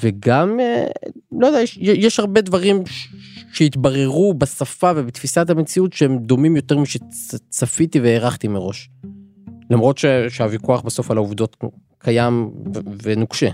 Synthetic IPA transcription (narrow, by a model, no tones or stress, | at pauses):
veɡamelojodejajeʃjeʃhaʁbe̞d̪vaʁimʃʃeit̪baʁe̞ʁubesafavebet̪fisatame̞t͡siutʃeemd̪o̞mimjo̞t̪eʁmiʃet͡safit̪iveːʁaχt̪imeʁo̞ʃ | lamʁo̞t̪ʃeʃeavikuaχbaso̞falauvd̪o̞t̪ | kʰajamvenukʃe